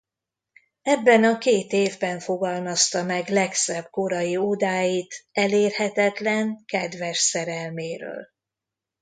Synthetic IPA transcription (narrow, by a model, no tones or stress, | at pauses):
ɛbːɛnɒkeːt̪eːvbɛɱfo̞ɡɒlmɒst̪ɒmɛɡlɛksɛb̚ko̞ɾɒjiod̪aːjit̪ɛleːrhɛt̪ɛt̪lɛŋkɛd̪vɛʃsɛɾɛlmeːɾø̰ːl